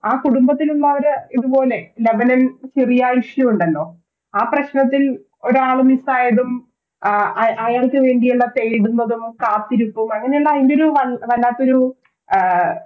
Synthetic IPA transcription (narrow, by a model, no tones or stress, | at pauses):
aːkuɽumbɐt̪ːilunːɐʋɐɾɨiðupo̞ːleleʋɐnɐmt͡ɕerijaːjiʂjuuɳɖɐlːo̞ː | aːprɐɕnɐt̪̬ːil | o̞ɾaːɭumisaːjɐðum | ɐjaːɭkɨʋe̞ːɳɖijuɭːɐt̪ejiɽunːɐðumkaːt̪ːiɾupːumɐŋːɐnejuɭːɐðindeo̞ɾuʋɐʋɐlːaːt̪ːo̞ɾu